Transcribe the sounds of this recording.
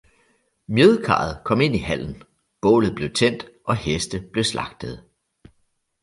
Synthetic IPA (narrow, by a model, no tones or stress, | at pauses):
mjøðˠkʰɑ̰̈ːð̞̩ˠkʰɒ̽me̝n̰ihæl̰n̩ | b̥ɔ̰̽ːlð̞̩ˠb̥le̝ʊt͡sʰen̰d̥ʔɒ̽hesd̥əb̥le̝slɑ̈ɡ̥̚d̥əð̞̩ˠ